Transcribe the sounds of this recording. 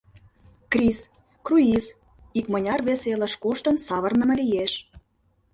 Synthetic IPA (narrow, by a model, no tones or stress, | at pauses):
krʲis | kruiz | ikmə̆nʲɑrβeselə̆ʃkoʃt̪ə̆nsɑβə̆rnə̆mɤ̆lijeʃ